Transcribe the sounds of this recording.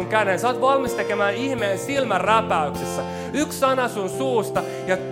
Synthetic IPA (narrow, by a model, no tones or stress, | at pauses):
uŋkænensɑːt̪ʋɑlmist̪ekemæːnihmeːnsilmærræpæyksesːæ | yksːɑnɑsunsuːst̪ɑ | jɑ